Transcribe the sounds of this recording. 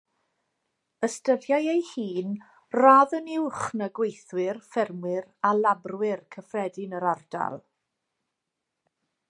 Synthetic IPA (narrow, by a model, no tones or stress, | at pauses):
əstəðjajejhiːn | raðənɪwχnəɡwejθwɪrfɛrmwɪɾalabrwɪrkʰəfrɛdɪnəɾɔrda̰lˠ